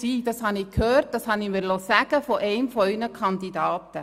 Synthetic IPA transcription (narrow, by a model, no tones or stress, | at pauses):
siːd̥ɑshɑnɪkʰhøːɾt̚d̥ɑshɑnimɪlosæɡ̥əfoʔɛɪmfɔynəkʰɑndidɑːt̪ə